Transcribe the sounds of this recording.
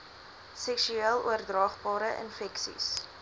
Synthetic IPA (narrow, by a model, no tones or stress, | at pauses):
sɛksyeəlˠuərdrɑːχbɑːɾəʔə̰nfɛksḭs